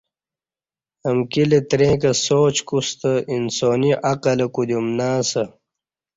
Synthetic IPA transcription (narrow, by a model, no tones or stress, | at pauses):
ɐmkilet̪ɾẽːkɐsoːt͡ɕkust̪əinsoːniʔaqɐlɐkud̪umnaːsɐ